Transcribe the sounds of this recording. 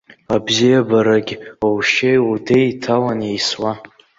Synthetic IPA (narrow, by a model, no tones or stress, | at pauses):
abzijabaɾaɡʲowʃejudejtʰawanejswa